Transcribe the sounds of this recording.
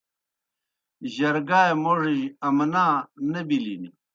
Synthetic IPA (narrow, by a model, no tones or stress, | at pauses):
ʑɐɾɡaːjmoʐiɐmnaːnɐbilini